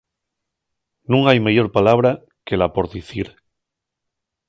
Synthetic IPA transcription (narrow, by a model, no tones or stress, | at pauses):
nũŋajmeʝo̞ɾpalaβ̞ɾa | ke̞lapo̞ɾðiθiɾ